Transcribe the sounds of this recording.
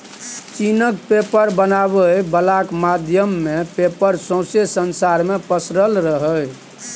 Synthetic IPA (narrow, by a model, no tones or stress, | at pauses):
t͡ʃinəkpepəɾbənaβəbəlakmad̪ʱjəmːepepəɾsõsesənsaɾmepəsɾəlɾəɦəj